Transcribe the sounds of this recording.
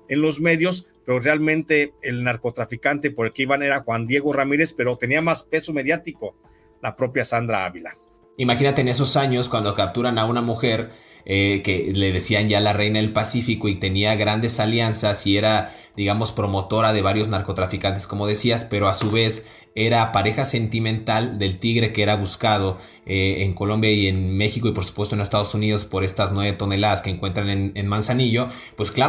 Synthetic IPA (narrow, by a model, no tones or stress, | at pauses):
e̞nlo̞zme̞ðjo̞spe̞ɾo̞realmẽ̞nt̪e̞ːlnaɾko̞t̪ɾafikant̪epo̞ɾelkeiβane̞ɾaxwand̪je̞ɣo̞ramiɾe̞spe̞ɾo̞t̪e̞niamaspe̞some̞ðjat̪iko̞ | lapɾo̞pjasand̪ɾaa̰βila̰ | imaxinat̪e̞ːne̞s̬o̞saɲoskwand̪o̞kap̚t̪uɾanaunamuxe̞ɾeke̞le̞ðe̞sianʝalare̞jnaelpasifiko̞it̪e̞niaɣɾand̪e̞saljansasie̞ɾad̪iɣamo̞spɾomo̞t̪o̞ɾaðe̞β̞aɾjo̞znaɾko̞t̪ɾafikant̪e̞sko̞mo̞ð̞e̞siaspe̞ɾo̞asuβe̞s | e̞ɾapaɾe̞xase̞nt̪imẽ̞nt̪ald̪e̞lt̪iɣɾe̞kee̞ɾaβuskað̞o̞ | eeŋko̞lo̞mbjaie̞nme̞xiko̞ipo̞ɾsu̥pwest̪oenest̪að̞o̞suniðo̞spo̞ɾe̞st̪aznweβet̪o̞ne̞laðaskeːŋkwe̞nt̪ɾanenenmãnsaniʝo̞ | pwe̞skla